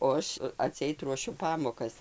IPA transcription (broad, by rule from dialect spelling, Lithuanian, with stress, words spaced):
oː ˈɐʃ ɐˈtʲsʲɛɪt ruɔˈʃʲʊ ˈpɑːmoːkɐs